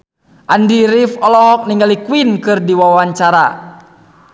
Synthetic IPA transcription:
ʔandiɾifɔlɔɦɔk̚niŋɡalikuinkɨrdiwawaɲt͡ʃaɾa

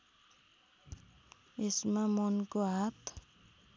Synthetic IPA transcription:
esmamɔnkoɦat̪ʰ

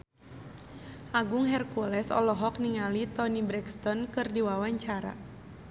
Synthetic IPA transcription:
ʔaɡʊŋɦɛrkulɛsɔ̰lɔɦɔk̚niŋalit̪ɔnibɾɛkst̪ɔnkɨrdiwawaɲt͡ʃaɾa̰

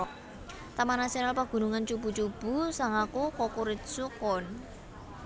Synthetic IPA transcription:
t̪amanasionalpaɡ̥ṳnuŋant͡ʃub̥ṳt͡ʃub̥ṳsaŋakukɔkuɾɪt̪̚sukɔn

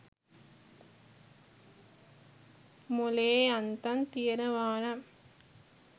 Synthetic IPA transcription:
mʊleːɐnt̪ɐnt̪ijɐɾɐʋaːnɐm

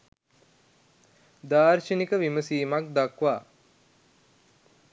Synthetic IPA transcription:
d̪aːɾʃənikəʋiməsiːmak̚d̪akʋaː

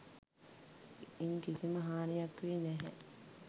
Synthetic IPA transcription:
iŋkisiməɦaːnijɐkʋiːnɛɦɛ̰

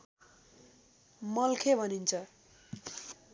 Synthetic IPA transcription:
mʌlkʰebʱʌnint͡sʰʌ

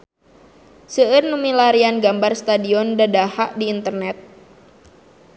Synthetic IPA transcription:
səərnumilaɾianɡambarst̪adiɔndadahaʔdiːnt̪ərnɛt̪̚

